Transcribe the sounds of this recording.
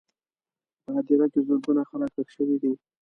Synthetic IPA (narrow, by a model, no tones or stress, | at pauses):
pəad̪iɾakezoɾɡunaxənakəkʃəwid̪i